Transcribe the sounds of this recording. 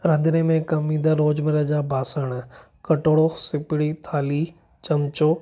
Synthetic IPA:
ɾɐ̃nd̪ɪnemẽkɐmĩːd̪aɾoːd͡ʑmɪɾəd͡ʑabʱaːsəɽ̃ | kɐʈoːɽosɪpɪɽit̪ʰaːli | t͡ɕɐmt͡ɕoː

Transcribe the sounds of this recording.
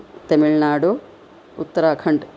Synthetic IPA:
t̪ɐmiɭnaːɽu | ut̪ːɐɾaːkʰɐɳɖ

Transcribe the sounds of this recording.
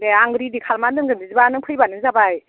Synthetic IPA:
deaŋɡɾidikʰalmandɯŋɡɯndizibanɯŋpʰɯjbanɯŋzabaj

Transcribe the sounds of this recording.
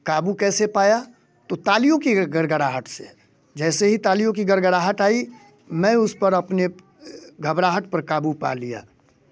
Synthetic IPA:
kaːbukɛːsepaːja | t̪ot̪aːlijõkiɡəɾɡəɾaːɦəʈʰse | d͡ʒɛːseɦit̪aːlijõk̬iɡəɾɡəɾaːɦəʈaːi | mɛ̃ʊspəɾɐpne | ɡʱəbɾaːɦəʈ̚pəɾkaːbupa̰lija̰ː

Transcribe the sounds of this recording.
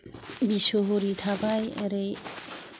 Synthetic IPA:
bisoɦoɾit̪ʰabajɛ̰ɾej

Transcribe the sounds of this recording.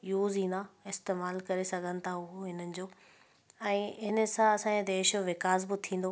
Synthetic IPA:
juːzĩːn̆d̪aɪst̪eːmaːlkɐɾesɐɡʱənɪ̆t̪ʰaɦʊɦoɦɪnənɪ̆d͡ʑoː | ɛ̃ːɦɪnə̆sãɐsãːd̪eːʃʋɪkaːzbɪt̪ʰĩːn̆d̪oː

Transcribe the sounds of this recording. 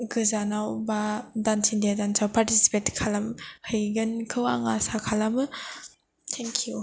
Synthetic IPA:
ɡɯzanawbadantʰindadansʰawpaɾtisi̥petkʰalamhɯjɡɯnkʰɯwaŋasakʰalamɯ | tʰɛŋkʰiju

